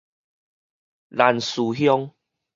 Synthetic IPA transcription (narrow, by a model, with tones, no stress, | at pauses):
la˨˩nsu˨˩ɦjɔ˦ŋ